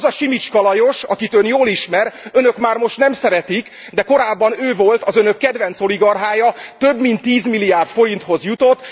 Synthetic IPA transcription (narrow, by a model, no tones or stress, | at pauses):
zɒʃimit͡ʃkɒlɒjo̞ʃɒkit̪ønjoːliʃmɛɾønø̞kmaːrmo̞ʃt̪nɛmsɛɾɛt̪ik | d̪ɛko̞ɾaːbːɒnøːvo̞lt̪ɒzønøkːɛd̪ʋɛnt̪so̞liɡɒrɦaːjɒt̪øbmint̪ːiːzmilːijaːrt̪fo̞ɾint̪ho̞zjut̪o̞t̪ː